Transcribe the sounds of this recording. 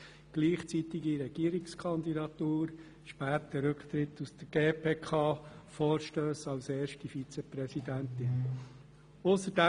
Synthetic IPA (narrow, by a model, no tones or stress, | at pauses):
ɡ̥liːχt͡sit̪iɡiɾɛɡ̥iːəɾikskʰɑnd̪idɑt̪uːɾ | ʃpæːt̪əɾɵkʰt̪ɾɪt̪usd̪̥əɡ̥eːpʰeːkʰɑːfoːɾʃtøːsɑlseːɾʃtifit͡sɛprɛsidænt̪ɪn | ʊsəɾd̥æ